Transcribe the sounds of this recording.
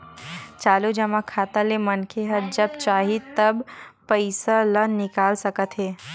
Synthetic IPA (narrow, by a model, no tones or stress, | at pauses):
t͡ʃaːlud͡ʒɐmakʰaːt̪alemɐnkʰeɦəɾd͡ʒɐbt͡ʃaːɦit̪əbpəɪsalənɪkaːlsəkət̪ɦeː